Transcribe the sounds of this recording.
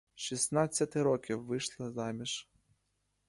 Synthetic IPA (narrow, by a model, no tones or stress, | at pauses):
ʃisnɑt͡sʲːɐt̪ɪɾɔkʲiwːɪʃlˠɪzɑmʲiʃ